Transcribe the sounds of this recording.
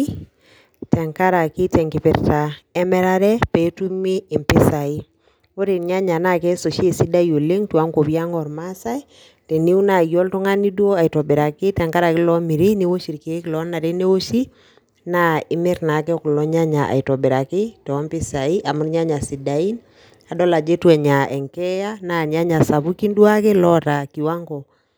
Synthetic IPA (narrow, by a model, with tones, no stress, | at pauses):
tɛ˨ŋka˦ɾa˨ki˦tɛ˨ŋki˨pɪ˨ɾta˨ɛ˦mɛ˦ɾa˦ɾɛ˦pɛ˨˦tu˦miː˦˨mpɪ˦sa˨i˦ | wo˦ɾi˨nɲa˦ɲa˨na˦˨kɛ˦so˨ʃe˦˨si˦da˦jo˨le˦ŋtwa˦ŋko˨pja˦ŋɔ˨ɾma˦sa˦j | tɛ˨ni˦u˦na˨jɔ˦ltɔ˦ŋa˦ni˦du˦o˦a˨i˨tɔ˨bi˨ɾa˨kɪ˦tɛ˨ŋka˦ɾa˨kɪ˦lɔ˨˦mi˨ɾi˦ni˦wo˦ʃi˨ɾke˨˦klɔ˨˦na˨ɾe˦ne˦wo˦ʃi˦ | na˦ɪ˦mɪ˦ɾna˨kɛ˦ku˨lɔ˦ɲa˦ɲa˨ʔa̰˨i˨tɔ˨be˨ɾa˨kɪ˦tɔ˨˦mpɪ˦sa˨i˦ʔa˨mu˦ɾɲa˦ɲa˨si˨da˨i˦n | a˨dɔ˦la˨d͡ʒe˦twɛ˨ɲa˨ɛ˨ŋkɛ˦ja˦na˨ɲa˦ɲa˨sa˨βu˦ki˦ndwa˦ke˦lɔ˦ɾa˨ki˨wa˦ŋɡɔ˨